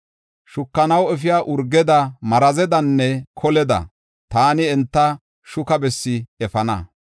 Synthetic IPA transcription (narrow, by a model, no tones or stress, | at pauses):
ʃʊkːɐnɐwɛfɪjaːʔʊɾɡɛd̪ɐmɐɾɐzɛd̪ɐnːɛkʰɔlɛd̪ɐ̰ | t̪aːnɪɛnt̪ːɐ | ʃʊkɐbɛsːɪɛfɐnɐ̰